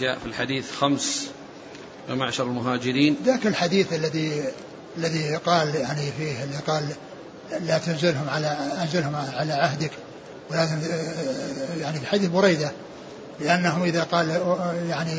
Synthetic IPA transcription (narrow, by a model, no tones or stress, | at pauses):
d͡ʒa̰ːʔfilħad̪iːθxams | ɪmaʕʃɑɾˤɪlmʊɦaːd͡ʒɪɾiːnðaːkɪlħad̪iːθalːaði | alːaðiqɑːljaʕnifiːhɪlːiqɑːlː | at̪ʊnzɪlɦʊmʕalaʔanzɪlhʊmʕalaʕaɦd̪ɪk | wɪlatn | jaʕnifiħad̪iːθbʊɾejd̪a | lɪʔanːaɦʊmʔɪðaqɑːljaʕni